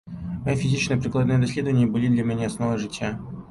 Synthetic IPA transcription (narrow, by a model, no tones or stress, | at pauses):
mɐjifʲɪzʲit͡ɕsnəjəpɾʲɪklˠɐd̪nɨjəd̪ɐsʲlʲe̞d̪əvənʲɪjəbɨlʲid̪lʲamʲɪnʲaɐsnovəʐɨtʲja